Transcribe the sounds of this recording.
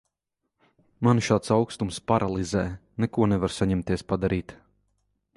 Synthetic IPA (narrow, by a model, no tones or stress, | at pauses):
manʃaːt̪sawkst̪umspaɾʔalˠizɛːnɛkuɔnɛvaɾsaɲɛmt̪iɛspad̪aɾiːt̪